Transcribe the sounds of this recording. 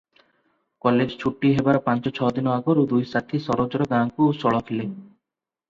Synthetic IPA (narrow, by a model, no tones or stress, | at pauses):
kɔled͡ʒt͡ʃʰuʈːiɦebaɾpãnt͡ʃɔt͡ʃʰɔd̪inɔaɡoɾud̪ujsat̪ʰisɔɾod͡ʒɔɾɔɡãŋkuosɔɭɔkʰileŋ